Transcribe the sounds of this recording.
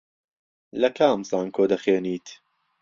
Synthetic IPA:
lɐkʰaːmzaːnkʰoːd̪ɐxeːniːt̪

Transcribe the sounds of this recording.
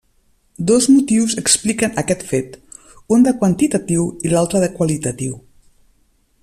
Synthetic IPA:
d̪ozmut̪iwzəksplikənəkɛt̪fet̪ | und̪əkwənt̪it̪at̪iwilalˠt̪ɾəðəkwalit̪at̪iw

